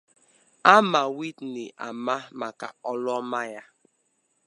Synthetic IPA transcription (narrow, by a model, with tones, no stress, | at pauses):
a˦ma˨wi˦dni˨ʔa̰˨ma˦ma˨ka̰˨ɔ˦lɔ˦ma˦ja˦